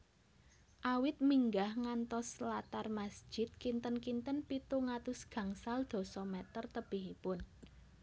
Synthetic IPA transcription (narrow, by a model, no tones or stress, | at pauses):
ʔawɪt̪̚miŋɡahŋant̪ɔslat̪armasd̥d͡ʒ̥ʒ̥ɪ̤t̪̚kint̪ənkint̪ənpit̪uŋat̪ʊsɡ̥ä̤ŋsald̪̥o̤sɔmɛt̪ərt̪əb̥iɦipʊn